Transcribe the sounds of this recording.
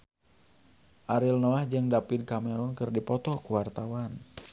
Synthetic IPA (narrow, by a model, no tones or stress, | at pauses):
ʔaɾilnɔahd͡ʒɨŋdapid̚kamɛɾɔnkɨrdipɔt̪ɔkuwart̪awan